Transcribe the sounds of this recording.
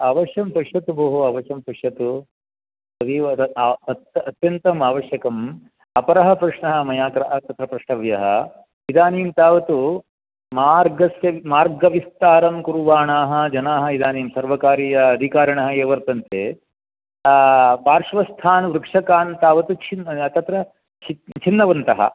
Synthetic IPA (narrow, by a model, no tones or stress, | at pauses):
aːʋɐʃjɐmpɐʂjɐt̪ubɐɦuɐʋɐʃjɐmpɐʂjɐt̪u | ɐd̪iɐt̪ɐt̪jɐnt̪ɐmaːʋɐʃjɐkɐm | ɐpɐɾɐɦɐpɾɐʂɳɐɦɐ̆mɐjaːkɾɐʔɐt̪ɐt̪ɾɐpɾɐʂʈɐʋjɐɦɐ̰ | id̪aːniːmt̪aːʋɐt̪u | maːɾɡɐsjɐʋmaːɾɡɐʋist̪aːɾɐmkuɾuʋaːɳaːɦɐ̆d͡ʒɐnaːɦɐ̆id̪aːniːmsɐɾʋɐkaːɾiːjɐɐd̪ʱikaːɾɐɳɐɦɐeːʋɐɾt̪ɐnt̪eː | paːɾʂʋɐst̪ʰaːnʋɾukʂɐkaːnt̪aːʋɐt̪ut͡ʃʰint̪ɐt̪ɾɐ | t͡ʃʰit͡ʃʰinːɐʋɐnt̪ɐɦɐ̰